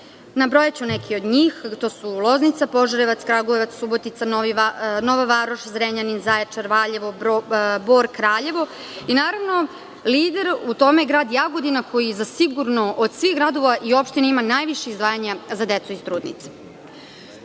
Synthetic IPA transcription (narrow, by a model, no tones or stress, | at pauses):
nabɾo̞jat͡ɕunekʰiod̪ɲiːxt̪o̞ːsulˠoznit̪sapo̞ʒoɾeʋat̪skɾaɡoeʋat̪ssubot̪it̪sanino̞ʋaʋaɾoʃzɾeɲaninzaet͡ʂaɾʋaʎeʋooboːɾkɾaːʎe̞ʋo̞ | inaːɾaʋno̞ | liːd̪eɾut̪o̞meɡɾaːd̪jaɡo̞d̪inakʰo̞jizasiɡuɾnoʔod̪sʋiɣɡɾad̪oʋaʔio̞pʃt̪ineimanaːjʋiʃeizd̪ʋaːjaɲazad̪et̪suist̪ɾuːd̪nḭt̪se̥